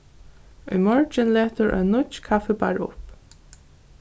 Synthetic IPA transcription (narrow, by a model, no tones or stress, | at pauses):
ʊjmɔɹt͡ʃɪnleːt̪ʊɹʔœ̰jnːʊt͡ʃkʰafɪba̰ɹʊ̰p